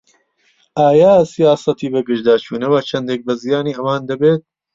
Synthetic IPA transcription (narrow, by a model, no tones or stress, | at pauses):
ʔaːjaːsijaːsɐt̪iːbɨɡɨʒd̪aːt͡ʃʰuːnɐwɐt͡ʃʰɐnd̪eːk̚bɐzijaːniːɐwaːnd̪ɐbeːt̪̚